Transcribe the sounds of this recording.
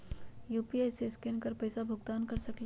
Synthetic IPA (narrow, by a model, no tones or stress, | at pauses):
juːpiaːjseskɪnkəɾpɛːsabʱʊɡt̪aːnkɐɾsɐkl